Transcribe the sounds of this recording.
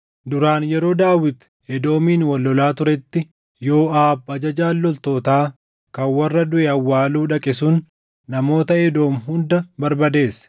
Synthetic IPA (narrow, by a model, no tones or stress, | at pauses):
d̪ʊɾaːnjɛɾo̞ːd̪aːwɪt̪ | ɛd̪o̞ːmiːnwɐlːɔlaːt̪ʊɾɛt̪ːɪ | jo̞ːaːbɐd͡ʒɐd͡ʒaːlːɔlt̪o̞ːt̪aː | kɐnwɐrːɐd̪ʊʔɛɐwːaːluːᶑɐkʼɪsʊn | nɐmo̞ːt̪ɐɛd̪o̞ːmɦʊnd̪ɐbɐɾbɐd̪e̞ːs